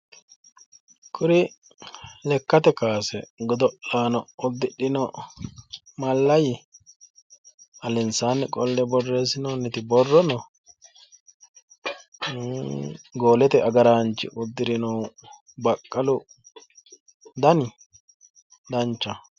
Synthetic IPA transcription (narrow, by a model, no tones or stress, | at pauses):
kʼʊɾɪ | lɛkːɐt̪ɛkaːsɛɡɔd̪ɔʔːaːnɔɔd̪ːɪɗɪnɔ | mɐlːɐjɪ | ɐlɛnsaːnːɛkʼɔlːɛbɔrːeːsɪnɔnɛt̪ɪbɔrːɔnɔ | ɡo̞ːlɛt̪ɛʔɐɡɐɾaːnt͡ʃːɪ̰ʔʊd̪ːɪɾɪnɔw | bɐkʼːɐlʊ | d̪ɐnɪ | d̪ɐnt͡ʃːɐ